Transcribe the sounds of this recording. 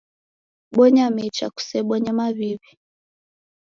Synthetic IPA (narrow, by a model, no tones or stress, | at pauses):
ɓɔɲamɛt͡ʃa̰ku̥sɛɓɔɲɛmaβiβi